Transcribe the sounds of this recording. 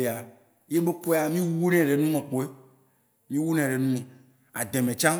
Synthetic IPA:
e˨a˨ | je˦be˦ko˦a˨mĩ˦wu˦nɛ̃˨ɖe˨nũ˦mɛ̃˨k͡po˨e˦ | mĩ˦wu˦nɛ̃˨ɖe˨nũ˦mẽ˨ | a˨d̪ɛ̃˨mɛ̃˨t͡ʃã˦

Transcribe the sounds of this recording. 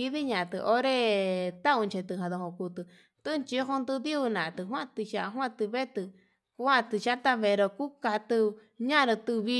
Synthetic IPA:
i˧ði˦ɲã˧˨t̪ɨ˧ʔo˦ɾe˦t̪a˦ũ˧nt͡ʃe˧t̪ɨ˧ɦã˨ðo˧hõ˧˨ku˧t̪ɨ˧ | t̪ɨ˦˧nt͡ʃi˧˦ɦõ˧nd̪u˧ði˦u˧nã˨˧t̪ɨ˧ɦwã˦t̪ɨ˧ʃa˧ɦwã˦˧t̪ɨ˧βe˦t̪ɨ˧ | ku˧˦ã˦˧t̪ɨ˧ʃa˦t̪a˧βe˧ɾo˧ku˦ka˧t̪ɨ˧ | ɲã˦˧ɾɨ̃˧t̪ɨ˧βi˧

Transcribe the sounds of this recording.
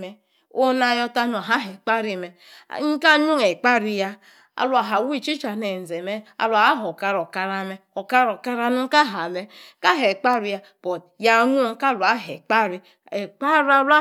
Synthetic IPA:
e˦ | o˦na˦jo˦ta˦no˨a˨ɦa˦ɦe˨k͡pa˦ɾi˦˨mḛ˨˦ | ŋ̩˦ka˦ɲu˦ŋe˨k͡pa˦ɾi˦ja˦ | a̰˨lu˨a˨ɦa˨wi˦t͡ʃi˦t͡ʃa˨ne˨n̩˨ze˨me˦a̰˨lʷa˨a˦ɦo˨ka˦ɾo˨ka˦ɾa˦me˦o˨ka˦ɾo˨ka˦ɾa˦nu˦ŋ̩˦ka˦ɦa˨me˦ka˦ɦe˨k͡pa˦ɾi˦ja˦ | b̥o˨t | ja˨˦ŋu˦ŋ̩˦ka˦˨la˦ɦḛ˨k͡pa˦ɾi˦ | e˨k͡pa˦ɾa˦la˦

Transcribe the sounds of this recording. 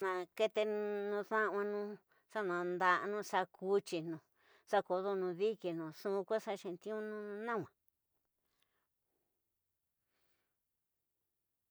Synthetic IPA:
nã˧ke˧t̪e˧nũ˧ðã˦˧ã˧nũ˦ | sa˦nã˧˨nd̪a˧ʔnũ˦sa˧ku˦t͡ʃi˧nũ˨˧ | sa˦ko˧ðo˧nũ˧ði˦ke˨nũ˨sũ˦˧kʷa˦sa˧ʃẽ˧nt̪ĩ˦ũ˦nũ˦˧nã˦˨wã˨

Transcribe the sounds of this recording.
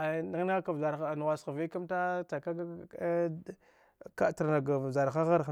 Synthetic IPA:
a˨na˦ɣna˦ka˨vza˨ɾa˨n˨wa˨sxa˨ve˦ka˦mta˦ta˨ka˦ɡa˦ | ka˦ta˨ɾna˨ɡa˨vza˨ɾxa˦ɣa˦ɾ

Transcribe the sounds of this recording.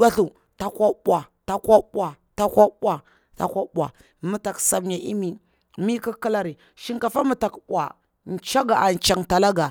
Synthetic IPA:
a˦ɬu˨ | ta˦kʷa˦ɓʷa˨ta˦kʷa˦ɓʷa˨ | ta˦kʷa˦ɓʷa˨ | ta̰˦kʷa˦ɓʷa̰˨ | mu˨˦ta˨ksa˨bɲa˨ʔḭ˦mi˨ | mi˦ki˦ki˦la˦ɾi˨ | ʃi˦ŋka˨fa˦mu˨ta˨kɓʷa̰˨ | n̩˨t͡ʃa˦ɡa˨ʔa˨n˨t͡ʃa˨ŋta˨la˦ɡa˨

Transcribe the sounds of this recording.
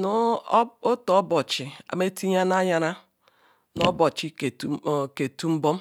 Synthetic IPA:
n˦o˦tɔ˨˦bɔ˨t͡ʃi˨a̰˨me˦tʰi˦ɲa˦na˦ja˦ɾa˦ | no˦bɔ˨t͡ʃi˦kke˨tu˦m̩˦bo˦m

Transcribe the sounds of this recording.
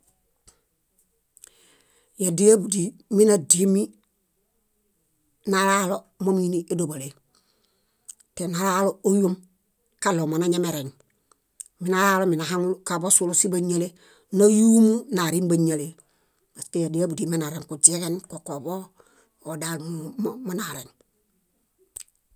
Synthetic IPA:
ja˨di˦ja˦bu˨di˨mi˦na˨di˦mi˦ | nalaː˦lo | mo˦mi˦niʔe˦do˨ba˨le˨ | te˨nalaː˦lo˦o˦ju˦m | ka˦lo˨ma˨na˨ɲe˦me˨ɾe˨ŋ | mi˦nala˦lo˦mi˨na˨ɦaŋukabo˦su˦lo˦si˦ba˦ɲa˦le˦ | na˦juː˦mu˦naɾi˦mbaɲa˨le˨ | ma˨ste˨di˦a˦bu˨di˨mi˦na˨ɾe˨ŋku˨d͡ʒe˦ke˦nkoko˨bo˦ | o˨dalmummanaɾen

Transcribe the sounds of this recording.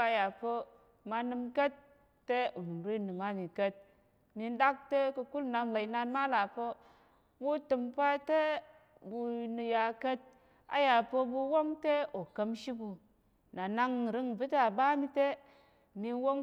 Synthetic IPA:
a˨ja˨pə˦ | ma˧nɨ˧mkə˦tː | e˦u˨n˨ɾi˦˨nɨ˨ma˦mi˨kə˦t̚ | mi˧nda˦k̚te˦kə˧ku˦lna˧ŋla˨i˨na˧nma˦la˨pə˦ | bu˦tɨ˧mpa˦te˦ | bu˧nɨ˧ja˧kə˦t̚ | a̰˨ja˨pə˧bu˧wo˦ŋte˦o˨kə˦mʃi˦bu˨ | na˨na˦ŋ˨ɾɨ˦ŋbɨ˦ta˨ba˦mi˧te˦ | mi˧nwo˦ŋ

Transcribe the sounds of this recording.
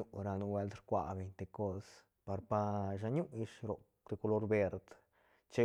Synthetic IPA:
u˧ɾa˧nu˧we˧˦ld̪t̪ɾkʷa̰˨be˨˧ɲʲt̪e˧ko˦s | pa˧ɾpa˧ʃ̬a˧ɲu˦ʔji˧ʂɾo˨ | t̪e˧ku˧lo˧ɾbe˧ɾd̪ | t͡ʃe˦

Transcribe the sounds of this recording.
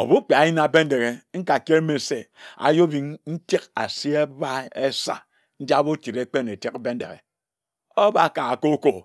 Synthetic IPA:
o̰˨bu˦k͡pe˨a˨ji˦na˨be˦n̩˦de˨ɣe˨ŋ̩˦ka˨ke˦ɾme˨se˦a̰˨jo˦bi˨ŋn̩˦ti˦ka̰˨si˦e˦ba˦e˦sa̰˨ | n̩˦d͡ʒa˦bo˦ti˨ɾe˦k͡pe˦ne˨te˦kbe˦n̩˦dḛ˨ɣḛ˨ | o˦ba˨ka˨a˨ko˦ko˨

